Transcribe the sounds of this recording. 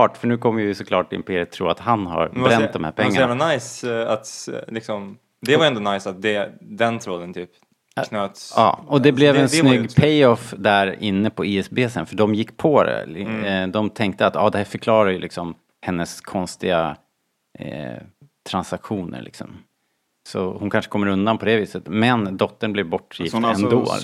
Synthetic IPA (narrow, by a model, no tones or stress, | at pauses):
ɑːʈfœɳʉ̟ːkʰɔmːəjəvɪsɔkʰlɑːʈːɪɪ̰mpʰeːɾɪət̪ʰːɾṵːɾa̰t̪hanha̰ɾɾɛnt̪d̪ɔmhæːɾpʰɛŋːanævlanajsat̪lɪksɔm | d̪ɛvaɾɛnd̪ɔnajsat̪̚d̪ɛd̪ɛnt̪ʰɾɔlənt̪ʰyːp | kʰnøːt̪sɑ̰ːɔd̪ɛbblɛvɛnsnʏɡːpʰɛjɔfd̪æɾɪnːəpʰɔiːɛsbeːsənfœɖɔmjɪkːpʰɔd̪ɛ̰d̪ɔmt̪ʰɛŋk̚t̪əat̪ːɑ̰ːd̪ɛhæːɾfœɾkʰlɑːɾaɾjɵlɪksɔm | hɛnːəskʰɔnst̪ɪɡa | t̪ʰɾansakɧuːnə̰ɾɭɪ̰ksɔ̰m | sɔ̰hʊnkʰanʂə̥kʰɔmːəɾɵnd̪anpʰɔd̪ɛviːsət̪mɛnd̪ɔt̪ːəɳblɛvbɔʈːjɪfɛnd̪o̰ː